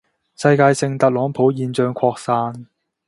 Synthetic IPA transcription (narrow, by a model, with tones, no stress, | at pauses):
sɐ˧jkaː˧jsɪ˧ŋt̪ɐ˨k̚lɔː˨˥ŋpʰo˨˥wjiː˧nt͡ʃœː˧ŋkʷʰɔː˧k̚saː˧n